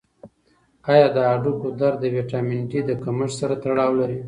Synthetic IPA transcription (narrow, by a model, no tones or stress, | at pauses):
ɑjɑd̪əaɖukod̪aɾd̪əweʈɑmɪnʈid̪əkaməʂsaɾat̪aɽɑwlaɾi